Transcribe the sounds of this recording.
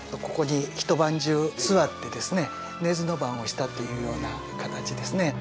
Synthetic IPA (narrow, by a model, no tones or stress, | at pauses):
oko̞ko̞ɲiçi̥t̪o̞bãɲd͡ʑɨːsɨβat̪ːe̞d̪e̞sɨne̞ | ne̞zɨno̞bãɰ̃o̞ɕi̥t̪at̪ːo̞jɯ̟ːjo̞ːna | kat̪at͡ɕid̪e̞sɨne̞